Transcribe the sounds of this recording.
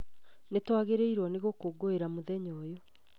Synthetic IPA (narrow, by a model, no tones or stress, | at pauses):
netwaɣeɾeiɾwɔneɣokoːɡoeɾamoðɛɲɔːjɔ